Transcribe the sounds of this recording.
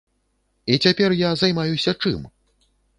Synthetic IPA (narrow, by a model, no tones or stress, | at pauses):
it͡sʲapʲɛrjazajmajusʲɐt͡ʂɨ̰m